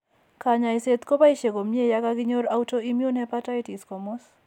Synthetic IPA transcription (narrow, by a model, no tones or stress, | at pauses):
kaɲaiset̪kopaiʃeɡomjejakaɡɪɲoɾautoimjunhɛpataitiskɔmɔs